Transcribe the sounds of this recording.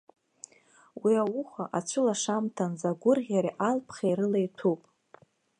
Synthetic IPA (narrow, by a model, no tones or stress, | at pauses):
wiawʊχʷaʔat͡ʃʷʰʊlaʂamtʰanzaɡʷʊrʁʲaɾiʔalpʰχʲejɾɨlejtʰupʼ